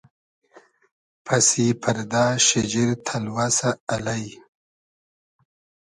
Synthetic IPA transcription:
pʰɐsipʰɐɾd̪aːʃɪd͡ʒiɾt̪ʰalwasaːlaj

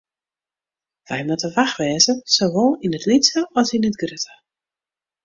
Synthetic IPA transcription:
ʋɛjmatəʋaxʋɛːzəsoʋɔlˠinətlitsəɔsinətɡrøtʰə

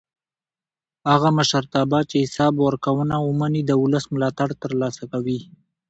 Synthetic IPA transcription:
haɣaməʃaɾt̪ɑbɑt͡ʃehɪsɑbwəɾkawənawəmanid̪əʊləsmʊlɑt̪aɽt̪əɾlɑsakawi

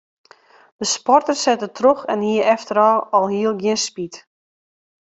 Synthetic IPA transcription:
d̥əspɔrtərsɛtətʰroxɛnhiəɾɛftəɾɔːɔlˠhiəlˠɡjɪənspit

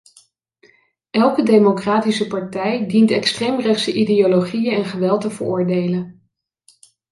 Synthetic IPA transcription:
ʔɛlˠkədejmokraːtisəpɑɹtɛjdintɛkstrejmrɛχtsəʔidejoloχijəɛnχəʋɛlˠtəvə̰ɹʊːɹdejlən

